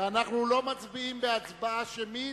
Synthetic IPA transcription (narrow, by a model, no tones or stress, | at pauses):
anaχnulo̞mat͡sbiimbeat͡sbaaʃemi